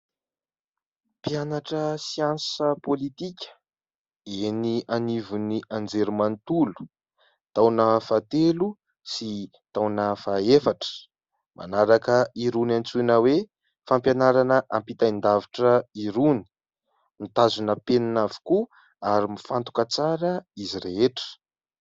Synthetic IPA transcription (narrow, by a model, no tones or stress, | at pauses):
pianaʈ͡ʂəsiansəpolit̪ikʲə̥ | enianivuniʔand͡zeɾumant̪ulu̥ | t̪awnəfat̪elu | si | t̪awnəfaefaʈ͡ʂə̥ | mʔa̰naɾakəiɾunant͡sunəwe | fampjanaɾanəʔampit̪aind̪aviʈ͡ʂəiɾuni̥ | nit̪azunəpenanavi̥ku | aɾimifant̪u̥kat͡saɾəiziɾeɦeʈ͡ʂə̥